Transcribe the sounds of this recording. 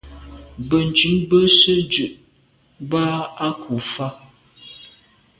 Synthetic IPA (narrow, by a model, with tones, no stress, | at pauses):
bə˨n˨t͡ʃʉ˨˦mbə˦sə˦d͡ʒʉ˨ʔ | ba˦a˦kʰu˨fa˦